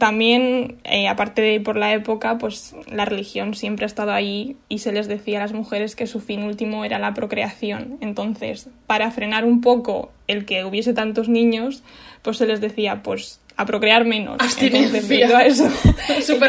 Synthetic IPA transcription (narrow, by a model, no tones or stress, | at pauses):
t̪ambje̞neapaɾt̪e̞ðeipo̞ɾlae̞po̞kapwe̞slare̞lixjo̞nsje̞mpɾe̞ast̪að̞o̞ajiːse̞le̞zðe̞θialazmuxe̞ɾe̞ske̞sufinult̪imoeɾalapɾo̞kɾe̞aθjo̞ne̞nt̪o̞nθe̞̰spaɾafɾe̞naɾump̬o̞ko̞̰ | e̞lke̞uβ̞jese̞t̪ant̪o̞znĩɲo̞s | pwo̞sːe̞le̞zðe̞θiapwe̞s | apɾo̞kɾe̞aɾmẽ̞no̞̰snzðeβiðoaes̬osup